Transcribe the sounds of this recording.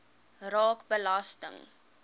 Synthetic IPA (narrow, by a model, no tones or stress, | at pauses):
rɑːkbəlɐstə̰ŋ